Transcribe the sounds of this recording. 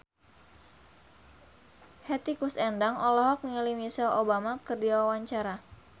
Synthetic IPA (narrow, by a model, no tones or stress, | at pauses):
hɛt̪ikusɛndaŋɔlɔɦɔk̚niŋlimisɛlobamakərdiawawaɲt͡ʃaɾa